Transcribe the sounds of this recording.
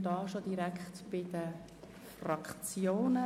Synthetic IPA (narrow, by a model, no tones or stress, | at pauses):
dɑːʃodiɾækχtb̥ɪd̥ə | frɑkt͡sjoːnə